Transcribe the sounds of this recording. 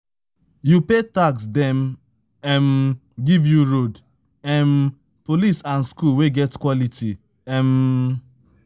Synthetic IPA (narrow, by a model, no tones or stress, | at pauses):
jupetaksdɛ̃m | ɛm | ɡivjuɹod | ɛm | polisãnskulweɡɛtkwɔlitʰi | ɛm